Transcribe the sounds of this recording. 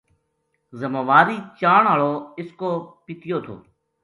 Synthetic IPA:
zəmaːʋaːɾiːt͡ʃaːɳaːɭoːɪskoːpɪt̪ɪjoːt̪ʰo̰ː

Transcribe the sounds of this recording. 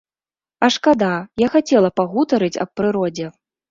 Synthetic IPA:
ɐʂkad̪ajaxat͡sʲɛlˠɐpaɣut̪ɐɾɨt͡sʲɐ̰p̚pːɾɨɾɔd͡zʲɛ

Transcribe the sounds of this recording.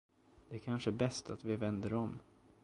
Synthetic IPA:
d̪̥ɛækʰanʂəbɛst̪ʰat̪vɪvɛnd̪əɾɔm

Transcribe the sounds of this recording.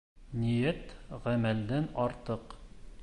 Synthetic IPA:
nijæt̪ʁæmæld̪ænɒɾt̪ɤq

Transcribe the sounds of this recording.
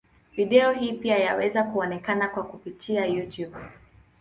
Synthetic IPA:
viɗɛɔhiːpiajawɛzakuɔnɛkanakwakupitʰiajutjub

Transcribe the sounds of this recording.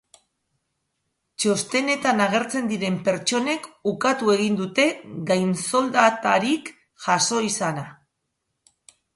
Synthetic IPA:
t͡ʃo̞st̪e̞ne̞t̪anaɣ̞e̞ɾt͡se̞nd̪iɾe̞mpe̞ɾt͡ʃo̞ne̞kukat̪ue̞ɣ̞ind̪ut̪e̞ɡajnso̞ld̪at̪aɾik | ʝaso̞isana

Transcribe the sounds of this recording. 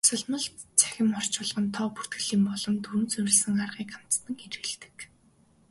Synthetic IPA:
t͡sə̆ɮmə̆ɮt͡sʰæ̥xʲɪ̆mɔr̥t͡ɕʊːɮ̆ʁɞ̆nt̪ʰɔːpur̥t̪̚ɡɘ̆ɮiːmpɔɮɞ̆mt̪ʰuɾɵ̆nt͡sɵwʲɪ̆ɮsɘ̆ŋarʁiːkam̥t͡st̪ə̆ŋeɾɘ̆ɮt̪ɘ̥̆k

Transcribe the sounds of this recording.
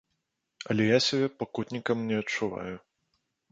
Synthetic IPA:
ɐ̰lʲɛjasʲɐbʲɛpɐkut̪ʲnʲikɐmnʲɛɐt͡ʂːuva̰ju

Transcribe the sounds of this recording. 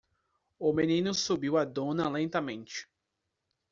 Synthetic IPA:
ʊmenĩnʊsubiwɐd̪õnɐlẽnt̪ɐmẽnt͡ʃɪ̥

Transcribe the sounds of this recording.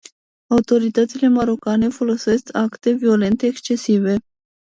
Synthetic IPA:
aut̪o̞ɾit̪ət̪sile̞maɾo̞kane̞fo̞lo̞se̞skʰakt̪e̞vio̞le̞nt̪eːkst͡ʃe̞sive̞

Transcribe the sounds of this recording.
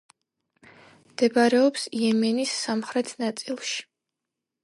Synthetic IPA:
md̪̥ɛbaɾɛɔpsiɛmɛnisːamχɾɛt̪ʰnat̪sʼilˠʃi̥

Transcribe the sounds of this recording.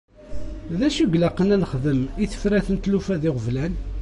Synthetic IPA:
ðæʃuɡlæqːənænəχðəmiθə̥fɾæθənt̪lufæðɪʁəvlæn

